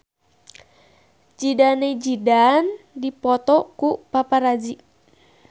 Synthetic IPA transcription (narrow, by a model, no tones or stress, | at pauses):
d͡ʒidaned͡ʒidandipɔt̪ɔkupapaɾad͡ʒi